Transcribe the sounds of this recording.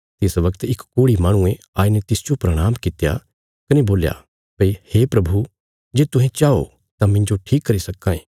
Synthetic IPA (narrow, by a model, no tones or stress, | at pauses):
t̪ɪsʋɐkt̪ɪkkoːɽimaːɽ̃ʊ̃ẽ | aːinet̪ɪsd͡ʒopɾɐɽ̃aːmkɪt̪ja̰ | kɐneboːlja̰ | pɐiheːpɾɐbʱu | d͡ʒeːt̪ʊɦẽt͡ʃaːo̰ | t̪ãmɪ̃ɲd͡ʒoʈʰiːkːɐɾisɐkːãːẽː